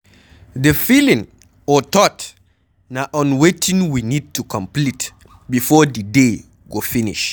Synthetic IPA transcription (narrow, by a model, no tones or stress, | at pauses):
dəfilĩŋ | ɔt̪ɔt | naʔɔ̃nwetʰĩŋwinid̚tukʰɔ̃mplit | bifɔdəde | ɡofinḭʃ